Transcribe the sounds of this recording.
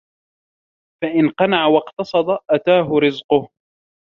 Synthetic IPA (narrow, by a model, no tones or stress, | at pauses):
faʔɪnqɑnaʕawɑqt̪ɑsˤɑd̪ˤɑʔat̪aːɦʊɾɪzqʊh